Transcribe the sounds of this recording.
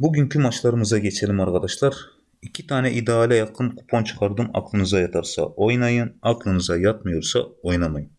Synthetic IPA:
buɡʲynkʲʰymɑʃlˠɑɾɨmɨzɑɡʲet͡ʃʰɪlɪmɑɾʁɑd̪ɑʃlˠɑɾ | ikʲʰːit̪ʰɑːnɛʔid̪ɑːlˠɛjɑqʰɨnqʰʊ̥pʰont͡ʃʰə̥qʰɑɾd̪ɨnɑ̰qʰlˠɨnɨzɑjɑt̪ʰɑɾsɑ̰ojnɑjɨnɑqlˠɨnɨzɑjɑt̪mɨjuɾsɑ̰ojnɑmɑj

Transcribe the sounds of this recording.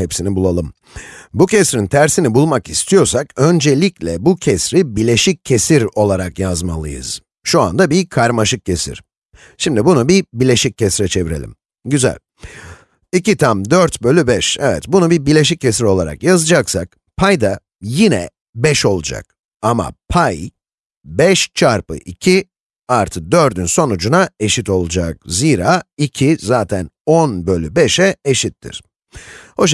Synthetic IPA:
hepsinibulˠalˠɯm | bucʰesɾint̪ʰæɾsinibulˠmakist̪ʰijo̞ɾsakø̞nd͡ʒelʲiclʲɛbucʰɛsɾibiɾlʲe̞ʃic̚cʰːesiɾo̞lˠaɾakjazma̰lˠɯ̰jɯ̰z̥ | ʃua̰nd̪abikʰaɾmaʃɯk̚cʰesḭɾ̥ | ʃimd̪ibunubibiɾlʲe̞ʃic̚ʲcːɛsɾɛt͡ʃʰe̞viɾe̞lʲḭm | ɟyzæ̰lʲ | icit̪ʰamd̪øɾt̪bø̞lʲybɛʃɛvɛt̪bunubibiɾlʲe̞ʃ̬ic̚cʰːɛsɾɛo̞lˠaɾa̰kjazɯd͡ʒaksak̚ | pʰajd̪a | jinɛ̰ | bɛʃo̞lˠud͡ʒa̰k̚ | ama̰pʰaj | bɛʃt͡ʃʰaɾpɯ̰ʔicʰi | aɾt̪ʰɯk̚d̪øɾd̪ynso̞nud͡ʒunae̞ʃit̪o̞lˠud͡ʒak̚ziːɾaːicʰizaːt̪ʰænonbø̞lʲybɛʃɛeʃit̪ʰːḭɾ̥ | ho̞ʃ

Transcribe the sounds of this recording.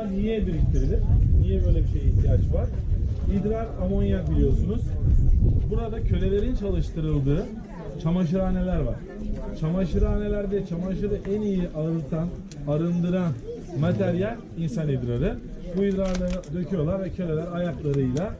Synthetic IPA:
anijɛbiɾict̪ʰiɾilʲiɾnijɛbø̞jlʲebiʃejiht̪ʰijat͡ʃvaɾ̥id̪ɾaɾamo̞njab̪ilʲijo̞ɾsunuz̥ | buɾad̪acʰø̞lʲe̞lʲe̞ɾint͡ʃʰalˠɯʃt̪ʰɯɾɯlˠd̪ɯː | t͡ʃʰamaʃ̬ɯɾaːne̞lʲæɾvaɾ̥ | t͡ʃʰamaʃɯɾaːne̞lʲæɾd̪ɛt͡ʃʰamaʃ̬ɯɾɯʔænijiʔaɯlˠt̪ʰan | aɾɯnd̪ɯɾan | mat̪ʰæɾjɛlʲinsanid̪ɾaɾɯ | buid̪ɾaɾlˠaɾad̪ø̞cʰyjolˠaɾvɛcʰø̞lʲe̞lʲæɾajaklˠaɾɯjlˠa

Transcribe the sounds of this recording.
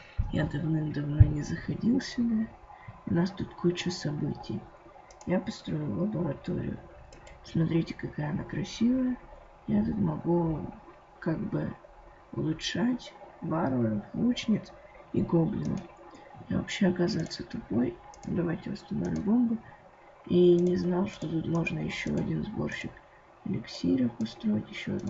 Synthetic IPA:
jad̪ɐvnɨmd̪ɐvnonʲɪzəxɐdʲilˠsʲʊbʲaʊnast̪ut̪kʰut͡ɕʊsɐbɨtʲɪj | japɐst̪ɾo̞ɪlˠlːˠɐbəɾɐt̪o̞̰ɾʲɪ̰jʊ̰ | smɐt̪ɾʲetʲɪ̥kɐkajəɐnakɾɐsʲivəjə | jat̪ut̪mɐɡu | kaɡbɨ | ʊ̰lˠʊtʂatʲbaɾvəjut͡ɕnʲɪt̪s | iɡoblʲɪnə̰javɐ̰pɕːeɐkazɨvət̪sːət̪ʊpo̞jd̪ɐvajtʲɪvəst̪ɐno̰lʲʊbo̞mbʊ | inʲɪznɑlˠʂt̪ot̪ut̪mo̞ʐnəjɪɕːo̞̰ɐdʲinzbo̞̰rɕːɪk | lʲɪksʲiɾəfʊst̪ɾo̞ɪtʲjɪɕːo̞ɐ̰d̪n

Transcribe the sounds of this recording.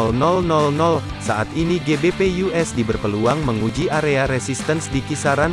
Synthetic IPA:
lnɔlnɔlnɔl | saʔa̰t̪iniɡebepejuʔɛsdibərpəluaŋməŋud͡ʒiʔaɾeaɾesist̪ənsdikisaɾan

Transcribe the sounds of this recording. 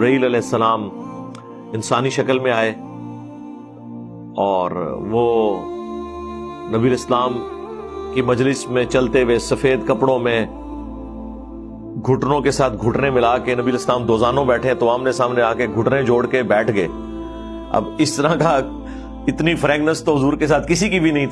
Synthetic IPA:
ɾɐiːlɐlɛːɦɪsːɐlaːm | ɪnsaːniʃɐkəlmẽaːeː | ɔːɾʋo | nɐbiːəlɪslaːm | kimɐd͡ʒlɪsmẽt͡ʃɐlt̪eʋesɐfeːd̪kɐpɽõmẽ | ɡʱʊʈnõkesaːt̪̚ʰɡʱʊʈnemɪlaːkenɐbiːəlɪslaːmd̪oːzaːnõbɛːʈʰẽt̪oaːmnesaːmneaːkeɡʱʊʈnẽd͡ʒʱoːɽkebɛːʈʰɡɐeː | ɐ̰bɪst̪ɐɾãka | ɪt̪nifɾɛ̃ːŋɡnə̃st̪oɦʊzuːɾkes̬aːt̪ʰkɪsikibʱinɐɦĩt̪ʰː

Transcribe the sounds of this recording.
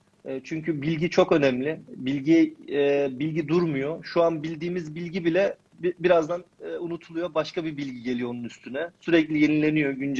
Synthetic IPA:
ɛːt͡ʃʰyɲcʰybilʲɟit͡ʃʰo̞kø̞nɛmlʲɪbilʲɟi | bilʲɟid̪uɾmujo̞ʃuanbilʲd̪iːmizbilʲɟibilʲɛ | bbiɾazd̪anːunut̪ʰulˠujo̞baʃkabibilʲɟiɟe̞lʲijo̞nunyst̪ʰynɛsyɾɛclʲije̞nilʲe̞nijo̞ɟynd͡ʒ

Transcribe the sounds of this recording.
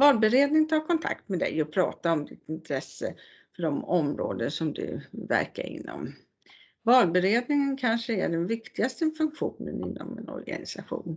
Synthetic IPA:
vɑːlbɛɾeːd̪nɪŋənt̪ʰɑːkʰɔnt̪ʰa̰kt̪mɛd̪ɛ̰jɔpʰɾɑ̰ːt̪aɔmd̪ɪt̪ɪnt̪ʰɾɛsːə | fœɖɔmɔmɾoːd̪ənsɔmd̪ɵ̰væ̰ɾkaɾɪ̰nːɔm | vɑːlbɛɾeːd̪nɪŋənkʰanʂəæɖɛnvɪkt̪ɪɡast̪ənfɵŋkɧuːnənɪnːɔ̰mɛnɔ̰ɾɡa̰nɪsaɧuːn

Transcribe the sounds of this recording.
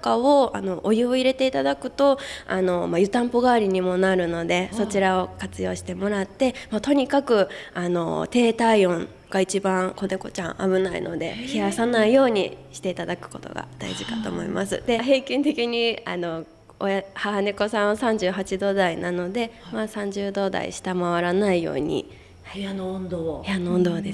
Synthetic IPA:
kaoa̰no̞ʔojɯoiɾe̞t̪e̞it̪ad̪akɯ̟̥t̪o̞a̰no̞majɯ̟t̪ãmpo̞ɡaːɾʲiɲ̟imo̞naɾɯ̟no̞d̪e̞so̞t͡ɕiɾao̞kat͡sɨjo̞̰ːɕi̥t̪e̞mo̞ɾat̪ːe̞mat̪o̞ɲ̟ikakɯ̟ano̞̰t̪e̞ːt̪aiõ̞ŋ | ɡ̥ait͡ɕibãŋko̞ne̞ko̞̰t͡ɕã̰ɰ̃a̰bɯ̟naḭno̞̰d̪e̞̰çiasanaijo̞ːɲ̟ḭɕi̥t̪e̞it̪ad̪akɯ̟̥ko̞t̪o̞̰ɡa̰d̪̥a̰iʑikat̪o̞ːmo̞̰ḭmʔa̰sɨ̰d̪̥e̞ɦe̞ːkʲĩnt̪e̞kʲiɲ̟ia̰no̞ | ojhahane̞ko̞sãɰ̃osãɲ̟d͡ʑɨːɦat͡ɕid̪o̞ːd̪ainano̞d̪e̞masãɲ̟d͡ʑɨːd̪o̞ːd̪a̰ḭɕi̥t̪amaβaɾanaijo̰ːɲ̟ḭ | nnd̪ojanõnd̪o̞ːd̪e

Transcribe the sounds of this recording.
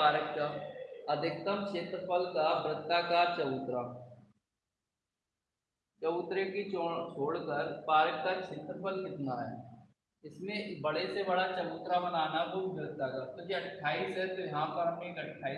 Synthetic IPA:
aːɾəkkaɐd̪ʱɪk̚t̪əmkʃʰeːt̪ɾəpəlkabɾɪt̪ːaːkaːt͡ʃəʋuːt̪ɾaː | t͡ʃəʋuːt̪ɾekit͡ʃʰoːɽkəɾpaːɾəkːakʃʰeːt̪ɾəpəlkɪt̪naɦɛ̰ː | ɪsmẽbəɽesebəɽat͡ʃəbuːt̪ɾabənaːnabʱubɪɾt̪akaːt̪od͡ʒeəʈʈʰaːisɦɛt̪ojɐɦãpaɾmẽkəʈʰaːi

